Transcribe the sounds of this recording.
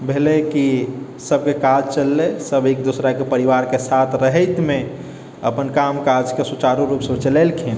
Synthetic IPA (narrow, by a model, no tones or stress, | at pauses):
bʱeleki | səb̚kekad͡ʒt͡ʃəlːesəbeːk̚d̪usɾakepəɾiʋaɾkesat̪ʰɾəɦɛɪt̪mẽ | ə̰pənkamkad͡ʒkesut͡ʃaɾuɾupsəbt͡ʃəlɛlkʰin